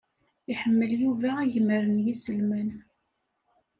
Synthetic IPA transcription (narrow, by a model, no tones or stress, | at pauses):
iħəmːəljuvæiʝəməɾənjisəlmən